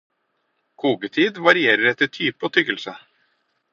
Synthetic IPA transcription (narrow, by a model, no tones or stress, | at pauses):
kʰuːɡət̪ʰiːd̪ʋɑɾɪeːɾəɾɛt̪ːət̪ʰyːpəoːt̪ʰʏɡəlsə